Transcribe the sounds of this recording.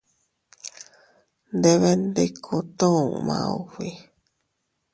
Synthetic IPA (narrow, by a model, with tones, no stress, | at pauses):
nd̪e˧βe˧nd̪e˦kʰu˧t̪ũ˦ũ˨mã̰˧ṵ˨wi˨